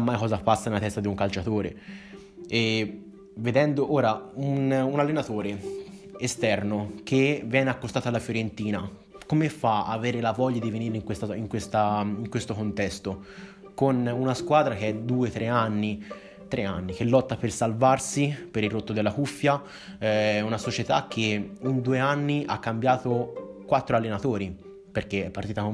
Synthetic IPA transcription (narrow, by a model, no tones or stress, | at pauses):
amːajkɔːzapasːanelat̪ɛst̪ad̪iuŋkalt͡ʃat̪oːɾḛ | e | ved̪ɛnd̪oʔoːɾaununalːenat̪oːɾe | est̪ɛrnokʰevjɛːneakːost̪aːt̪oalːafjoɾent̪iːna | komefaa̰veːɾelavɔʎːad̪iveniːɾeiŋkwest̪aiŋkwest̪aiŋkwest̪okont̪ɛst̪o | konunaskwad̪ɾakeɛd̪uːet̪ɾʔeanːi | t̪ɾʔea̰nːikelːɔt̪ːapersalvarsipeɾirot̪ːod̪elːakufːja | ɛɛunasot͡ʃet̪ak̟ːeund̪uːeanːiʔakːambjaːt̪okwat̪ːɾoalːenat̪oːɾi | perkeɛpːaɾt̪iːt̪ako